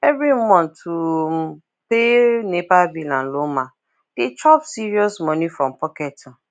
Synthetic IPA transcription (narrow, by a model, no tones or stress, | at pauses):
ɛvɾimɔ̃ntʰu | penepabilãn̩lomã | d̥etʰɔpsiɹiɔsmɔ̃nĩfɹɔ̃mpɔkɛtʊ